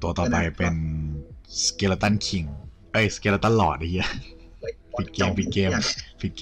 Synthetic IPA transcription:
t̪u˧ɐt̪ɔː˨˩pa˧jpe˧n | skeː˧la˧t̪a˥˩nkʰi˨˩ŋ | ʔɤ˦˥˩jskeː˧la˧t̪a˥˩nlɔː˨˩t̪̚na˧jɯ˦˥ | fi˧˩keː˧mfi˧t̪̚keː˧mfi˧t̪̚k

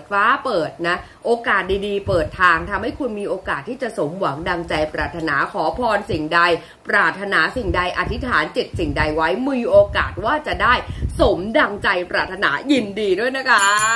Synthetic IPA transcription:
t̪̚faː˦˥pɤː˨˩t̪̚na˦˥ | ʔoː˧kaː˨˩t̪̚diː˧diː˧pɤː˨˩t̪ʰːaː˧ŋt̪ʰa˧mha˥˩jkʰu˧nmiː˧ʔoː˧kaː˨˩t̪ʰːiː˥˩t͡ɕa˨˩so˩˦mwa˩˦ŋda˧ŋt͡ɕa˧jpɾa̰ː˨˩t̪ʰːa˧naː˩˦kʰɔː˩˦pʰɔː˧nsi˨˩ŋda˧j | pɾaː˨˩t̪ʰːa˧naː˩˦si˨˩ŋda˧jʔa̰˨˩t̪ʰːi˦˥t̪ʰaː˩˦nt͡ɕe˨˩t̪̚si˨˩ŋda˧jwa˦˥jmiː˧ʔoː˧kaː˨˩t̪̚waː˥˩t͡ɕa˨˩daː˥˩jso˩˦mda˧ŋt͡ɕa˧jpɾaː˨˩t̪ʰːa˧na̰ː˩˦ji˧ndiː˧du˥˩əjna˦˥kʰa˦˥

